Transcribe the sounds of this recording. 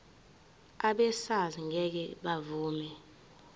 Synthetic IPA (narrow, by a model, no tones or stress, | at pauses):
aɓɛsaziŋʱɛk̬ɛɓavuːmɛ